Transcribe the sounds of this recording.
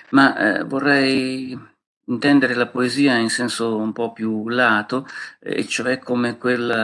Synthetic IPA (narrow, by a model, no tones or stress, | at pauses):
mavorːɛj | int̪ɛnd̪eɾelapoeziːainsɛnsoumpɔpːjulaːt̪oḛt͡ʃːoɛkʰːomekwelːa